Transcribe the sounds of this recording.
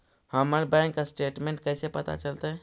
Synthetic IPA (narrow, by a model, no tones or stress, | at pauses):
həməɾbɛ̃ŋkːasʈeːʈmẽɳʈ̚kəɪsepət̪a̰t͡ʃəlt̪ɛ